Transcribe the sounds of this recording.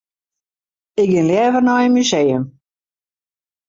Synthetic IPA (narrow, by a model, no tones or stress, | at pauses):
ɪk̚ɡɪnljɛːvərnɔjənmysejəm